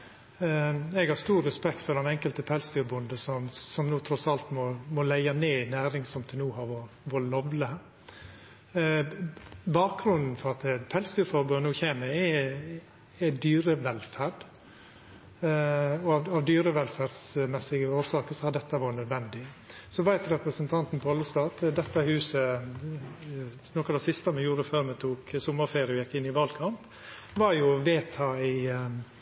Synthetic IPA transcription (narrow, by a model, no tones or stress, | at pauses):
ɛɡhɑɾst̪uːɾːɛspɛkt̪fɔɾd̪ɛnɛŋkəlt̪əpʰɛlsd̪yːɾbʊnd̪əsɔmsɔmnuːt̪ʰɾɔsɑlt̪mɔmɔlæɪɑneːɪnæːɾɪŋsɔmt̪ʰəlnuːhɑʋɔ | ʋɔlɔʋlə | bɑːk̚ɡɾʉnd̪n̩fɔɾɑt̪pʰɛlsd̪yːɾfɔɾbʉnuːçeːməɛ | ɛd̪yːɾəʋɛlfæɾɖ | ɔɑʋɑʋd̪yːɾəʋɛlfæɾdsmɛsːɪɡəoːɾʂɑːkəsɔhɑd̪ɛt̪ːəʋɑːɾənœd̪ʋɛnd̪ɪ | sɔʋæɪt̪ɾɛpɾəsənt̪ʰɑnt̪n̩pʰɔɑlːəst̪ɑːt̪d̪ɛt̪ːəhʉːsə | nɔkɑd̪ɛsɪst̪ɑmɛjuːɾəføːɾmɛt̪ʰuːksɔmːəɾfeːɾəɔjɛkːɪnːɪʋɑlkʰɑmp | ʋɑɾjʊʋeːt̪ʰɑːɪ